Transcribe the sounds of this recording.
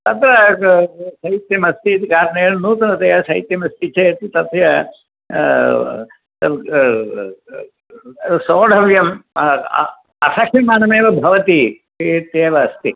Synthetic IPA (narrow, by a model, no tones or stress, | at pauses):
t̪ɐt̪ɾɐ | sɐit̪jɐmɐst̪iːt̪ikaːɾɐneːɭnuːt̪ɐnɐt̪ɐjɐsɐit̪jɐmɐst̪it͡ʃeːt̪it̪ɐt̪jɐ | ɐ | soːɖʱɐʋjɐm | ɐsɐkʰɐmaːnɐmeːʋɐbʱɐʋɐt̪iʃit̪jeːʋɐːst̪i